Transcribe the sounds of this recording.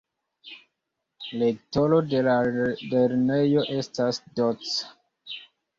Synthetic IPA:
lekto̞lo̞delaleɾnejo̞ʔe̞stasdot͡sḁ

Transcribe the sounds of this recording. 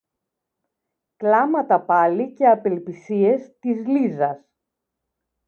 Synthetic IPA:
klɐmɐt̪ɐpɐlice̞ɐpe̞lpisie̞st̪izlizɐs

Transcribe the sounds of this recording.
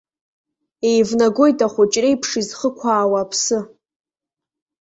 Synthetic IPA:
ejvnaɡo̞jtʼaχʷʊt͡ʃʼrejpʰʂizχəkʷʰaːwaːpʰsɨ

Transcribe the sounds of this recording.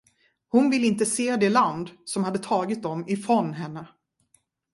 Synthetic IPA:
hʊnvɪlːɪnt̪əseːd̪ɛland̪sɔmhad̪ːət̪ʰɑːɡɪt̪̚d̪ɔmɪfɾɔnɦɛnːə

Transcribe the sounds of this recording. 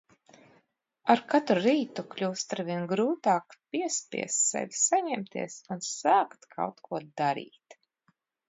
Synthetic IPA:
aɾkat̪ɾuɾiːt̪uklʲuːst̪aɾvʲiɛnɡɾuːt̪aːkpiɛspʲḭɛst̪sɛ̰vʲsaɲɛmt̪ʰḭɛsunsaːkt̪kʰa̰wt̪kʰuɔd̪aɾḭːt̪

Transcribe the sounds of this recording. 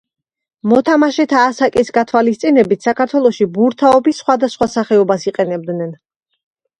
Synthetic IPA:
mɔt̪ʰamaʃɛt̪ʰaːsakʼisɡat̪ʰwalist̪sʼinɛbit̪ʰsakʰaɾt̪ʰwɛlˠɔʃibuɾt̪ʰaɔbisːχwad̪asχwasaχɛɔbasiqʼɛnɛb̚d̪nɛn

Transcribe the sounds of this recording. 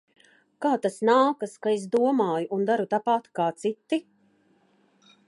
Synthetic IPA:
kaːt̪asnaːkaskaes̬d̪uɔmaːjuʔund̪aɾut̪apat̪kaːt̪sit̪ːi

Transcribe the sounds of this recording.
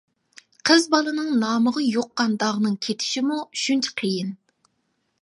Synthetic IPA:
qʰəzbɑlˠɨnɨŋnɑːməʁɑjoqːɑnd̪ɑʁnɨŋkʲʰet̪ʰɪ̥ʃimuʃynt͡ʃʰɪ̥qʰəjin

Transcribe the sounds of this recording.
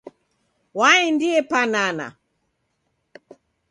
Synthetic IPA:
waindiɛpanana̰

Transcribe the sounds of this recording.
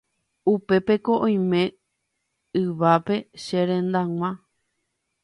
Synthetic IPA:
upe̞pe̞ko̞ʔõj̃mẽ̞ | ɨʋape̞ʃeɾẽ̞nd̪aŋʷã

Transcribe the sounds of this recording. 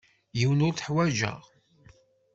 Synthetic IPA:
jiwənʊɾθħwæʒə̰ʁ

